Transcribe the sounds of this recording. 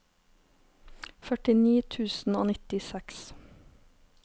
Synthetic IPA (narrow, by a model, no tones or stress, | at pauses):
fœʈɪniːt̪ʰʉːsn̩o̰ːnɪt̪ɪsɛks